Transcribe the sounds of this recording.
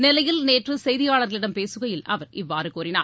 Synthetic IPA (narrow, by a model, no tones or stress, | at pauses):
nɪlɐjɪlneːʈrɯsɛjðɪjaːɭɐɾɣɐɭɪɽɐmpeːsɯɣɐjɪlɐ̰ʋɐɾɪʋːaːɾɯkuːɾɪnaː